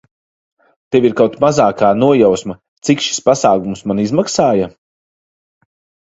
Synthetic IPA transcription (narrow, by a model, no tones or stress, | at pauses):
t̪eviɾkawt̪mazaːkaːnuɔjawsma | t̪sikʃi̥spasaːɡumsmanizmaksaːja